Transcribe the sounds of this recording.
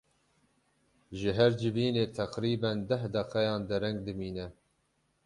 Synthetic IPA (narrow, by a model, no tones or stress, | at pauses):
ʒɨɦæɾd͡ʒɨviːneːt̪ʰæqɾiːbɛnd̪æhd̪ɛqɛjɑːnd̪ɨɾɛŋɡ̚d̪ɨmiːnɛ